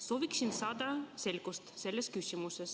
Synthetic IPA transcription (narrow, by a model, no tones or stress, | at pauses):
soːʋiksinsɑːd̪ɑse̞lʲkust̪se̞lːeskysʲimuses